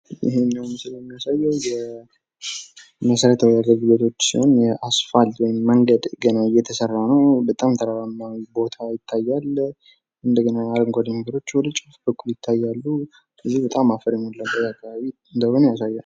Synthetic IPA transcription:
ɪ̰ɦenəwnsɨləmːijasajːɛwjɛ | məsəɾət̪ʰwjaɡəlɡɨlet̪ʰo̞t͡ʃːsḭho̞njɛʔasfalt̪wɔjɪmːəŋɡəd̪ɡənaɨjːɛt̪ʰəsərːanəwbət̪ʼamt̪ʰəɾaɾamnawbo̞t̪ʰajɪt̪ʰːajːal | ʔɨnd̪əɡənaaɾəŋɡʷad̪əməɡəd̪o̞t͡ʃːwɔd̪ət͡ʃʼɨfbəkʼːuljɪt̪ʰːajːalːu | əzːihbət̪ʼamːafəɾɛmolːabəjakʰːaβaβi | ɨnd̪əhonujasajːa

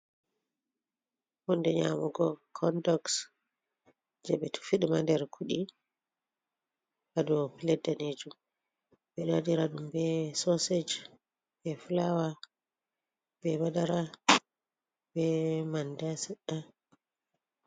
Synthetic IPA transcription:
hɔndɛɲa̰muɡɔkʰɔndɔks | d͡ʒɛɓɛtʰu̥fiɗimandɛɾkʰuɗi | hadɔpilɛdaned͡ʒum | bɛnadiɾaɗumbɛsosed͡ʒ | bɛflawa | b̥ɛbadaɾa | bɛmandasɛɗa

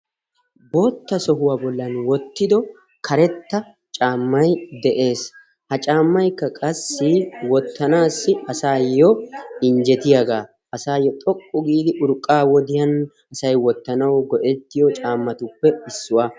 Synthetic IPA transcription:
bo̞ːt̪ːɐsɔɦʊwaːbɔlːɐnwɔt̪ːɪd̪ɔ | kʰɐɾɛt̪ːɐ | t͡ʃʼaːmːɐjd̪ɛʔe̞ːs | hɐt͡ʃʼaːmːɐjkːɐkʼɐsːɪwɔt̪ːɐnaːsːɪɐsaːjːɔɪnd͡ʒɛt̪ɪjɐɡaː | ɐsaːjːɔt̪ʼɔkʼːʊɡiːd̪ɪʔʊɾkʼːaːwɔd̪ɪjɐn | ɐsɐjwɔt̪ːɐnɐwɡɔʔɛt̪ːɪjɔt͡ʃʼaːmːɐt̪ʊpːɛɪsːʊwaː

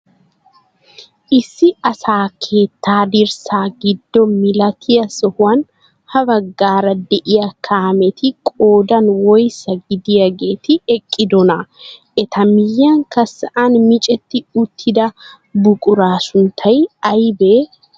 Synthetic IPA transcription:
ʔɪsːɪɐsaːkʰeːt̪ːaːd̪ɪɾsaːɡɪd̪ːɔmɪlɐt̪ʰɪjɐsɔhʊɐn | hɐbɐɡːaːɾɐd̪ɛʔɪjɐkʰaːmɛt̪ɪkʼoːd̪ɐnwɔjsɐɡɪd̪ɪjɐɡeːt̪ɪɛkʼːɪd̪ɔnɐʔɛt̪ʰɐmɪjːaŋkɐsːɐʔanmɪt͡ʃʼɛt̪ːɪʊt̪ʰːɪd̪ɐ | bʊkʼʊɾaːsʊnt̪ʰɐjɐjbeː

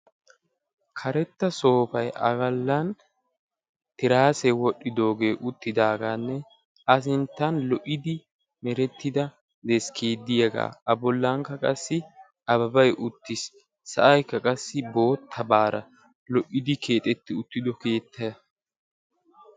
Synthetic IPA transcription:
kʰɐɾɛt̪ːɐso̞ːpɐjʔɐ̰ɡɐlːɐn | t̪ɪɾaːsɛwɔɗːɪd̪o̞ːɡe̞ːʔʊt̪ːɪd̪aːɡaːnːɛ | ɐs̬ɪnt̪ːɐnlɔʔɪd̪ɪ | mɛɾɛt̪ːɪd̪ɐ | d̪ɛskʰeːd̪ːɪjɐɡa̰ːɐbɔlːɐŋkːɐkʼɐsːɪ | ɐbɐbɐjʔʊt̪ːɪsː | ɐ̰ʔɐjkːɐkʼɐsːɪbo̞ːt̪ʰːɐbaːɾɐ | lɔʔːɪd̪ɪkʰe̞ːt̪ʼɛt̪ːɪʊt̪ːɪd̪ɔke̞ːt̪ʰːɐjɐ

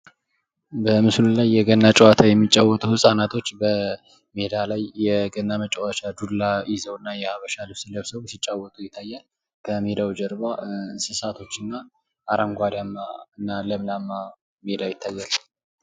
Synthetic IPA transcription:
bəmɨslulajːɛɡənːat͡ʃʼɛwat̪ʰajɛmːit͡ʃʼawːɔt̪ʼuhɨsʼanat̪ʰo̞t͡ʃːbə | med̪alajːɛɡənːamət͡ʃʼɛwat͡ʃad̪ulːajɪzəwnːajɛhaβəʃalɨβsɨləβsəβsit͡ʃʼːawːɔt̪ʼujɪt̪ʰːajːal | kʰəmed̪awd͡ʒɛɾβaɨnsɨsat̪ʰo̞t͡ʃːɨnːa | ʔaɾʔəmɡʷad̪amːaɨnːaləmlamːa | med̪ajɪt̪ʰːajːal

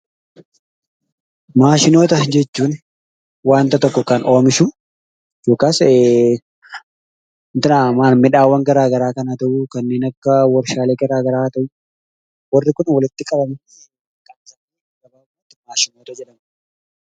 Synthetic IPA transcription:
maːʃɪno̞ːt̪ɐd͡ʒɛt͡ʃːuːn | waːnt̪ɐt̪ɔkːɔkɐnoːmɪʃʊ | d͡ʒoːkaːse | nt̪ɪnaːmaːnmɪᶑaːwːɐŋɡɐɾaːɡɐɾaːkɐnat̪ɐʔʊkɐnːe̞ːnɐkːɐwɔɾʃaːleːɡɐɾaːɡɐɾaːt̪ɐʔʊ | wɐrːɪkʊnwɐlɪt̪ːɪkʼɐbɐmɪ | kɐnsɐ | kɐbɐaːt̪ːɪmaːʃɪnoːt̪ɐd͡ʒɛᶑɐm

